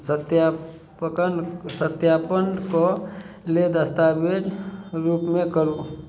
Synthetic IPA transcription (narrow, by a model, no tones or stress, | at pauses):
t̪ja | kənsət̪jaːpənko | led̪əst̪aːbed͡ʒɾuːpmẽkəɾo